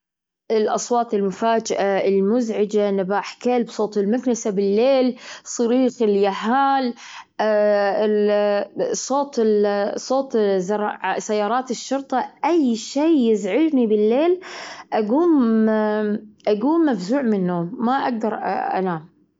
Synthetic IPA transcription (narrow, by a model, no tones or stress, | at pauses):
ʔɪlʔɑsˤwɑːt̪ˤɪlmʊfaːd͡ʒɪʔaɪlmʊzʕɪd͡ʒanabaːħkalbsˤoːt̪ˤɪlmʊknɪsabɪlːeːlsˤɨɾiːɣɪljaɦaːlː | sˤoːt̪ˤɪsˤoːt̪ˤzɑɾˤʕasajːɑːɾˤɑːt̪ɪʃːʊɾˤt̪ˤɑʔajʃeːjɪzʕɪd͡ʒnibɪlːeːlʔaɡuːm | ʔaɡuːmːafzuːʕmɪnːuːmːaʔaɡ̚d̪ɑɾ̰ˤʔa̰naːm